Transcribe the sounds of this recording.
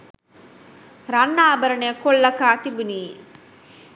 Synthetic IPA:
ɾɐnːaːbɐɾɐɳejɐkoɭːɐkaːt̪ibuniː

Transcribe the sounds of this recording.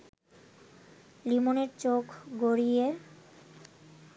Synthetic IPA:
limoneɾt͡ɕokʰɡoɾie

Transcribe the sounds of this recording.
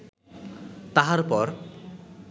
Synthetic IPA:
t̪aɦaɾpɔɾ

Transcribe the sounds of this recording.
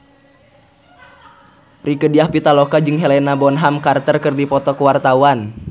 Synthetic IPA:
rikədiahpit̪alɔkad͡ʒɨŋɦelɛnabɔnɦamkart̪ərkərdipɔt̪ɔkəwart̪awan

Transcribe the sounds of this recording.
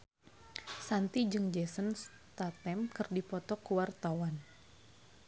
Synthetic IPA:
sant̪id͡ʒɨŋd͡ʒɛsəns | t̪at̪ɛmkɨrdipɔt̪ɔkuwart̪awan

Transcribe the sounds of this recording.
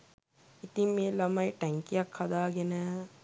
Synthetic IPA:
it̪imelɐmɐjʈɐŋkijɐkʰːɐd̪aːɡenɐ

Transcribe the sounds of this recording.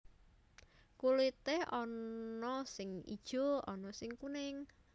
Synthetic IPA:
kulit̪ehɔnnɔsɪŋḭd̥ʒ̥o̤ɔnɔsɪŋkunɪŋ

